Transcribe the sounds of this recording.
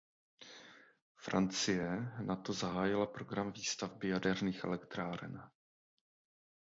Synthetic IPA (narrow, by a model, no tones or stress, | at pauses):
fɾant͡sɪjɛnat̪o̞zaɦaːjɪlapɾoɡɾamviːst̪avbɪjadɛɾniːxʔɛ̰lɛkt̪ɾaːɾɛ̰n